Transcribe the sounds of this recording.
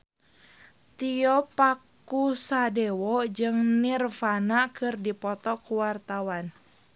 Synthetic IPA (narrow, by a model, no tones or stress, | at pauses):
t̪iɔpak | usadɛwɔd͡ʒɨŋnirfanakɨrdipɔt̪ɔkuwart̪awan